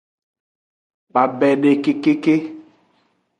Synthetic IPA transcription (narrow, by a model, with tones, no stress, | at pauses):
k͡pa˨bɛ˨ɖe˨ke˦ke˦ke˦